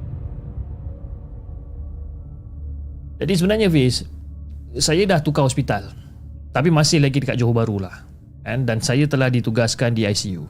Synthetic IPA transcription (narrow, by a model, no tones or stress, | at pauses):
d͡ʒadisəbənarɲãvɪs | sajadaht̪ukaɦɔspit̪al | t̪ap̬imãsɪhlaɡitdəkat̪̚d͡ʒoɦobaɾulah | kandansajat̪əlahdit̪uɡaskandiajsiṵ